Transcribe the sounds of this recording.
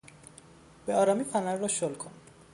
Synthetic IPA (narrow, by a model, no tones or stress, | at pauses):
b̥eɒːɾɒːmifænæɾːɔʃolkʰon